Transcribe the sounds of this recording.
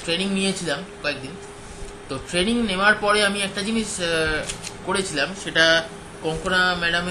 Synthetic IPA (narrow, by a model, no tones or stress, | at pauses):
ʈɾeniŋnijet͡ɕʰilamkɔek̚d̪in | t̪oʈɾeniŋneoaɾpɔɾeamiɛk̚ʈad͡ʑiniʃ | koɾet͡ɕʰilamʃeʈa | kɔŋkʰonamɛɽam